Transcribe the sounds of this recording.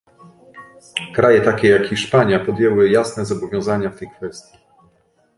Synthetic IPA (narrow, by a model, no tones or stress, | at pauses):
kɾajɛt̪akʲɛjakxiʂpaɲjapɔd̪jɛwɘjasnɛzɔbɔvʲjɔ̃w̃zaɲaft̪ɛjkfɛst̪ʲji